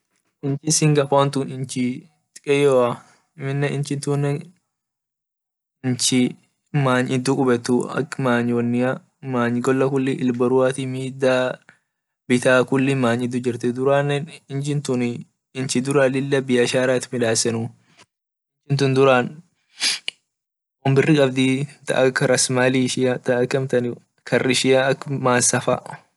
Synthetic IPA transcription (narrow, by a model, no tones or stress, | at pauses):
ʔɪnt͡ʃɪsɪŋɡɐfaːnt̪ʊnɪnt͡ʃɪ | t̪kʼɛjoːɐ | mɪnːɛɪnt͡ʃɪnt̪unːɛ | ɪnt͡ʃɪ | maːɲɪd̪ukʼʊbɛt̪ːʊɐ̰kːmaːɲwɐnːɪa | maːɲɡɔlːɐkʊlːɪʔɪlbɐɾʊaːt̪imiːd̪aː | bɪt̪aːkʊlːɪmaːɲɪd̪ːʊd͡ʒɪɾt̪ɛd̪ʊɾaːnːɛnɪnd͡ʒɪnt̪ʊn | ɪnt͡ʃɪd̪ʊɾaːlɪlːɐbɪjɐʃaːɾaːt̪mɪᶑaːsɛnʊ | ɪnd͡ʒɪnt̪̬ʊnd̪ʊɾaːn | ʊmbɪrːɪkʼɐbd̪it̪ɐ̰ʔɐkːɐɾɐsmaːliʃɪat̪ɐkːɐmt̪ɐnɪ | kʰɐrʔɪʃɪjaɐkːmaːnsɐfa̰